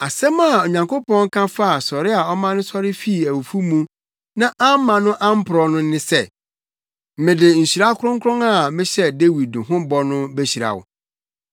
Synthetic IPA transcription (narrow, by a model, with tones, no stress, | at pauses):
a˨sɛ̃˦ma˨o˨ɲã˨ŋkʰo˦pɔ̃˦ŋ̩˦kʰã˦fa˦a˨sɔ˨ɾɪ˦a˨ɔ˦mã˦nʊ̃˦sɔ˦ɾɪ˦fi˦i˨æ˨wu˨fu˦mũ˦ | nã˦ʔã˦m˦mːã˨nʊ̃˦ʔã˦m̩˦pʰʊ˨ɾɔ˨nʊ̃˦nɪ̃˦sɛ˦˨ | mɪ̃˨dɪ˨ɲ̩˨ɕi˨ɾa˦kʰʊ˦ɾʊ̃˦ŋkʰɾɔ̃˦ŋa˨mɪ̃˦ɕɛ˦de˦wi˨d̚nʊ̃˨ɦʊ̃˦bɔ˦nʊ̃˦be˦ɕi˨ɾa̰˨wʊ̰˨